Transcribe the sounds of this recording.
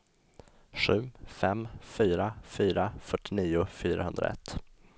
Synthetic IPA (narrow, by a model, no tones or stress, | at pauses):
ɧʉ̟ːfɛmfyːɾafyːɾafœʈːɪniːʊfyːɾa̰hɵnd̪ɾa̰ɛ̰t̪ː